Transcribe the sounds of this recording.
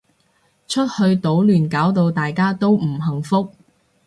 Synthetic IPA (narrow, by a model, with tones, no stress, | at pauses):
t͡ʃʰɵ˥t̚hɵ˧ɥt̪o˨˥wlyː˨˩nkaː˨˥wt̪o˧wt̪aː˨jkaː˥t̪o˥wm̩˨˩ɦɐ˨˩ŋfʊ˥k̚